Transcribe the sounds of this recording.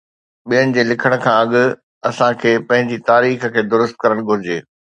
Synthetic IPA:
ɓijənɪ̆d͡ʑeːlɪkʰəɽ̃kʰãːɐɠʊ̆ | ɐsãkʰeːpɐ̃ɦɪ̃ɲd͡ʑit̪aːɾiːxəkʰeːd̪ʊɾʊst̪̚kɐɾəɽ̃ɡʱʊɾɪd͡ʑeː

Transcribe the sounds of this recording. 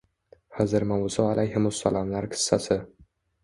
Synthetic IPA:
hazɪɾmawʊsɒalʔajhɪmʊsːalɒmlaɾkʲʰɪ̥sːasɪ

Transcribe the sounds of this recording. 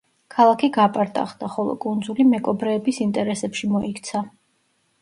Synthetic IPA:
kʰalˠakʰiɡapʼaɾt̪ʼa̰χd̪aχɔlˠɔ̰kʼund̪zulimɛɡʼɔbɾɛːbisint̪ʼɛɾɛsɛpʃimɔikt̪sʰa

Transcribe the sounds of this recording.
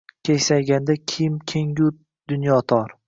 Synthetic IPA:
kʲʰejsajɡʲand̪akʲʰɪmkʲʰeŋɡʲʊ | d̪̥ʊnjɒt̪ʰɒɾ

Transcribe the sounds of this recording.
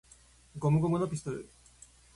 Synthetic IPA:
ɡo̞mɯ̟ɡomɯnopʲist̪oɾɯ̰

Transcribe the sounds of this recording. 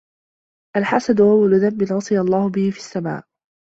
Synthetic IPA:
ʔalħasad̪ʊʔawːalʊðamːɪnʕʊsˤɨjalˤːɑːhʊbɪhɪfisːama̰ːʔ

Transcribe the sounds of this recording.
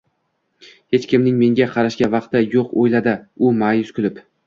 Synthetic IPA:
he̞t͡ʃkʲɪmnɪŋme̞ŋɡʲaqʰɑɾaʃɡʲavɑqt̪ɪjoqojlad̪ɪʊmajʊskʰʲʊlɪp

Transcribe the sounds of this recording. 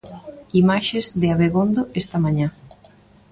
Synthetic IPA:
imaʃezðeaβeɣond̪oʔest̪ɐmaɲã

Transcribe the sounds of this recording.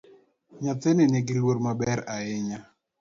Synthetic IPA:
ɲat̪eneneɡilwoɾmabɛɾaɪɲa

